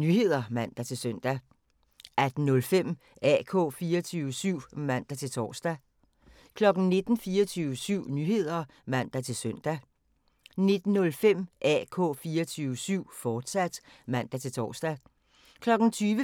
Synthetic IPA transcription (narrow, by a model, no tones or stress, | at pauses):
nyhe̝ð̞̰ˠɐmæn̰d̥æt͡sʰe̝lsøn̰d̥æ | æd̥n̩nɔ̽lfem̰ | ɛ̰kʰɔ̰̽ːfiːɐt͡sʰyːʋəsyʊ̰mæn̰d̥æt͡sʰe̝lt͡sʰɒ̰ːsd̥æ | kʰlɒ̽ɡ̥n̩ne̝d̥n̩fiːɐt͡sʰyːʊəsyʊ̰nyhe̝ð̞̰ˠɐ | mæn̰d̥æt͡sʰe̝lsœn̰d̥æ | ne̝d̥n̩ːɔ̽lfem̰ʔækʰɔ̰̽ːfiːɐt͡sʰyːʋəsyʊ̰fɒːd̥sæd̥mæn̰d̥æt͡sʰe̝lt͡sʰɒ̰ːsd̥æ | kʰlɒ̽ɡ̥n̩t͡sʰyːʋə